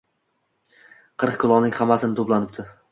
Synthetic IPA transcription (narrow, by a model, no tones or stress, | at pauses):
qʰɨɾq̚kʲʰʊlˠɒnɪŋʲhamːasɪnɪt̪ʰoplˠanɪp̚t̪ʰɪ